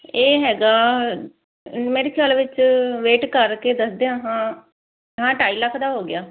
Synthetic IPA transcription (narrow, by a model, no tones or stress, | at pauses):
eːɦɛːɡaː | meːɾeːkʰjaːlʋɪt͡ʃʋeːʈkəɾkeːd̪əsd̪eãːɦãː | ɦãːʈaːiːləkʰd̪aːɦoːɡɪjaː